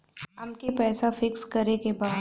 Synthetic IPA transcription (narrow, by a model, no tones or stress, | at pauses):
ɐmkepɛːsafɪkskɐɾekebaː